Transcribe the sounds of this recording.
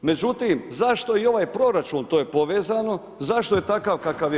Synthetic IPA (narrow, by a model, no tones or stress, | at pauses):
me̞d͡ʒut̪imzaʃt̪o̞io̞ʋaːjpɾo̞ɾat͡ʃuːnt̪oːjepo̞ʋe̞ːzano̞ | zaʃt̪o̞je̞t̪akaʋkakaʋj